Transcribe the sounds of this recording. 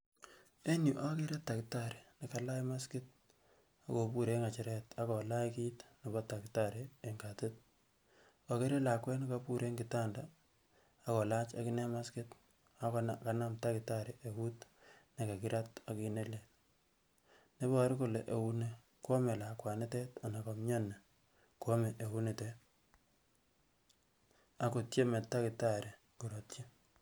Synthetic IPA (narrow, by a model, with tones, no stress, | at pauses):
e˦ɲu˨ʔa˦kɪ˦ɾe˦tːa˨kɪta˦˨ɾe˨ni˨ka˨la˦jma˦skɪ˦t̚ | a˦ko˨pu˦ɾe˦ŋa˨t͡ʃɪ˨ɾɛ˦ta˦kɔ˨la˦jki˦tni˨bɔ˦ta˨kɪta˦ɾe˨e˨ŋka˨te˦t̚ | ka˨kɪ˦ɾe˦la˨kwɛ˦nɪ˦ka˨pu˦ɾʔe˦ŋɡɪ˨ta˦ndaː˨˦ | kɔ˨la˦t͡ʃa̰˦kɪ˦ne˦ma˦skɪ˦t | a˦kka˦na˦mta˦kɪ˨ta˦ɾe˨ʔe˨wu˦tne˨ka˨kɪ˦ɾʔa˦ta˨ki˨ne˦le | ne˦bɔ˦ɾi˦ko˨le˨ʔe˨wu˦ne˦ | ko˦me˨la˨kwa˨ne˦tɛ˦ta˨na˨kɔ˨mɲɔ˦nːe˨ | kwo˦me˨ʔe˨wu˦ne˨te˦ | a˦ko˨tje˦mɛ˨tːa˦kɪ˨ta˦˨ɾe˨ | ku˨ɾott͡ʃe˦